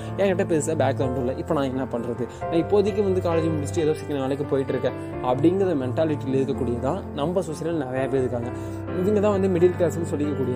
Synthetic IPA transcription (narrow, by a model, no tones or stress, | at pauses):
ɛ̃ːŋɡɐʈːɐ̃peːsaːbaːkɐlɐɳɖɪlːɐʔɪpːonãːɛnːɐpɐɳːɾɐðɯnãːɪpːoːɐðɯkːɯ̃ʋɐnd̪ɯkaːled͡ʒɪmnɪsɪʈɾiɛðoːsɪkːɐnɐnaːlɐk̬ːɯpoːjɪʈːɪɾɯkːɛ̃ | ɐpːɐɽɪŋɡɾɐðɐmɛɳʈaːlɪʈːileðɯkːɐkːuːɽɪjɐt̪ãːnɐmbɐsusɪɾɐlnɐɾɐjaːpːɐɪðɯkːaːŋɡɐ | ɪðɪŋɡɐt̪ãːʋɐnd̪ɯmɪɽɪlkːeːsɐnːɯsɔlːɪkːɐkːuːɽɪjɐ